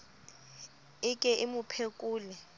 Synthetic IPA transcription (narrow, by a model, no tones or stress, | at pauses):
ɪkʼɛʔimupʰekʼuːlɛ